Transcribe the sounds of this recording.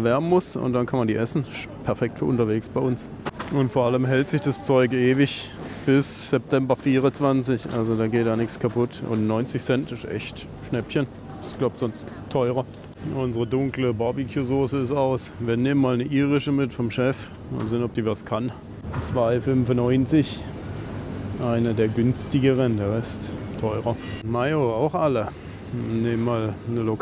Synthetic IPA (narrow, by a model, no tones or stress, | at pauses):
ɐvɛɐbn̩mʊsʊ̰ntd̥ankʰanmandiːʔɛsn̩ɪʃpʰɛɐfɛk̚tfyːɐʔʊntɐveːksb̥aɪʔʊns | ʔʊntfoːɐʔaləmɦɛltz̥ɪçd̥ast͡sɔʏkʔeːvɪç | b̥ɪsz̥ɛp̚tʰɛmbɐfiːʁʊnt͡sv̥ant͡sɪçʔa̰lzodaːɡeːt̚d̥aːnɪkskʰapʊtʊ̰ntnɔʏnt͡sɪçsɛntɪsʔɛ̰çt | ʃnɛpçən | ɪsɡ̥lap̚tz̥ɔnsttʰːɔʏʁɐ | ʔʊnzəʁədʊŋkləbɔbikʰjuːzoːsəɪstaʊsviːɐneːmənmaːlnəʔiːʁɪʃəmɪtfɔmʃɛf | ma̰nzɪːnɔp̚d̥iːvaskʰan | t͡sv̥aɪfʏmfnɔʏnt͡sɪç | ʔaɪnədeːɐɡʏnstɪɡəʁ̞əndeːʁɛsttʰːɔʏʁɐmaɪoaʊxʔalə | neːmənmaːlnəlok